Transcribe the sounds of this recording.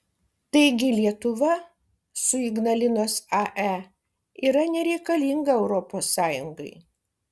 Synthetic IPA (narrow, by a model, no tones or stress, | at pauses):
t̪ɐɪɡʲɪlʲiɛt̪ʊʋɐ | sʊiɡnɐlʲɪnoːsɑʔæ | iːɾɐnʲɛɾʲɛɪkɐlʲiŋɡɐɛʊɾɔpoːsːɑːjʊŋɡɐɪ